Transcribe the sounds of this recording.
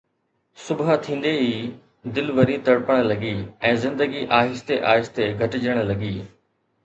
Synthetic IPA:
sʊbt̪ʰĩːn̆d̪eɦiː | d̪ɪlʋɐɾit̪ɐɽpəɽ̃lɐɡiːɛ̃ːzɪ̃nd̪əɡiʔaːɦɪst̪eʔaːɦɪst̪eɡʱɐʈɪd͡ʑəɽ̃lɐɡiː

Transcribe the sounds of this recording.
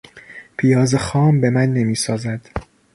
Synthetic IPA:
pʰijɒːzexɒːmbe̞mænːe̞miːsɒːzæd̪̥

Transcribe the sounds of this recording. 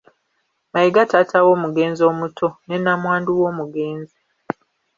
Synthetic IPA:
majiɡatatʰawo̞ːmuɡe̞ːnzo̞ːmutʰo̞nenːamwaːnduwoːmuɡe̞ːnzi

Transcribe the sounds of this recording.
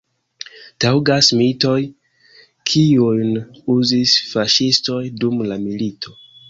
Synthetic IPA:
tawɡasmito̞j | kʰiujnuzisfaʃisto̞jdumlamilitʰo̞

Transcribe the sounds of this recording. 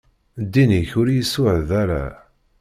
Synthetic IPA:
d̪ːiniçʊɾjisʊʕðaɾa̰

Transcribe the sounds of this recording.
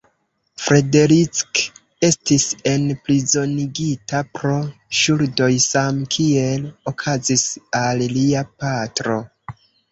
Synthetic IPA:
fɾe̞de̞ɾit͡sk | e̞stise̞nplizo̞niɡitapɾo̞ʃuɾdo̞jsamkʰie̞lokʰazisalliapatɾo̞

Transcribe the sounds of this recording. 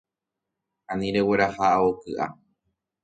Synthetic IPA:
ãnĩɾe̞we̞ɾahaʔokɨʔa̰

